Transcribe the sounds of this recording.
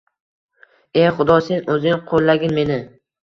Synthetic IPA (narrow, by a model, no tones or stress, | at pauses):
eχʊd̪ɒse̞nɵzɪŋqʰolˠːaɡʲɪnme̞nɪ